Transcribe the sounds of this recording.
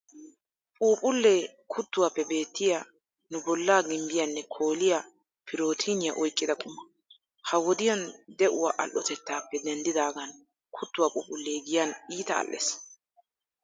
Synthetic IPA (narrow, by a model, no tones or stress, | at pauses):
pʼuːpʼʊlːeː | kʰʊt̪ːʊwaːpːɛbe̞ːt̪ːɪjɐ | nʊbɔlːaːɡɪmbɪjɐnːɛkʰo̞ːlɪjɐ | pʰɪɾo̞ːt̪ʰinɪjɐʔɔjkʼːɪd̪ɐkʼʊmːɐ | hɐwɔd̪ɪjɐnd̪ɛʔʊwaʔɐ̰lʔʔɔt̪ɛt̪ːaːpːɛd̪ɛnd̪ɪd̪aːɡɐn | kʰʊt̪ːʊwapʼṵːpʼʊlːeːɡɪjɐniːt̪ɐ̰ːlːḛːs